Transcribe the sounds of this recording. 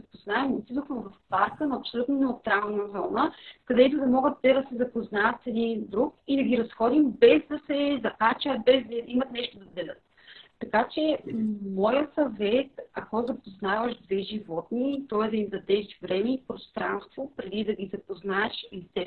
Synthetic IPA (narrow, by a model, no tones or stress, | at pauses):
zɐpoznaɛmot̪id̪oxmɛvɐfpaɾkənɐɐpsolʲut̪nonɛot̪ɾalˠnɐzɔnəkɐd̪ɛt̪ʊd̪ɐmɔɡət̪ːɛd̪ɐsɛzɐpoznaɐt̪sɛd̪ind̪ɾukid̪ɐɡʲiɾɐsxɔd̪imbɛzd̪ɐsɛzɐkat͡ʃəbɛzd̪imɐt̪nɛʃt̪od̪ɐd̪ɛlʲət̪ː | ɐkat͡ʃɛmɔjəsɐvɛt̪ɐkɔzɐpoznavɐʃd̪vɛʒivɔt̪nit̪ɔɛd̪ɐimzɐd̪ɛʃvɾɛmɛipɾost̪ɾa̰nst̪vopɾɛd̪id̪ɐɡizɐpoznaɛʃit̪ɛ